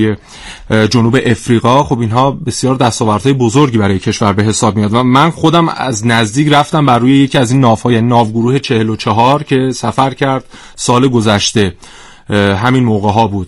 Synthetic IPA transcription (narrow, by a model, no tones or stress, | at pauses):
je | d͡ʒonuːbe̞ʔefɾiːɣɒːxo̞binɦɒːbe̞sjɒːɾd̪æst̪ɒːvæɾd̪̥hɒːje̞bo̞zoɾɟiːbæɾɒːjecʰe̞ʃvæɾbe̞ɦe̞sɒːb̚mijɒːd̪væmænxo̞d̪æmæ̰znæzd̪iːcɾæft̪æmbæɾːuːjeje̞cʰiːæziːnːɒːvhɒːjæniːnɒːvɡoɾuːhe̞t͡ʃʰe̞helot͡ʃʰeɦɒːɾcʰe̞sæfæɾcʰæɾd̪̥̚ | sɒːleɡozæʃt̪e̞ | ɦæminmoːɣeɦɒːbuːd̥̪